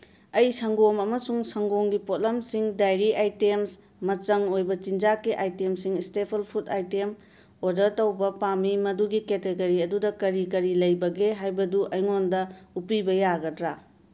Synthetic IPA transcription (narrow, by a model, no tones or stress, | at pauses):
ɐjsɐŋɡomɐmɐsuŋsɐŋɡoŋɡipot̚lɐmsiŋdajɾiʔajtems | mɐt͡ʃɐŋojbɐt͡ʃind͡ʒakːiʔajtemsiŋstepʰelpʰutajtem | odɐɾtɐwbɐpamimɐduɡiketeɡɐɾiɐdudɐkɐɾikɐɾilɐjbɐɡeɦajbɐduʔɐjŋondɐupibɐjaɡɐdɾa